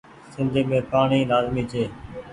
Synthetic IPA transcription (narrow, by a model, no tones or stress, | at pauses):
sɪ̃nd̪ʱiːmẽːpaːɳiːlaːzmiːt͡ʃʰeː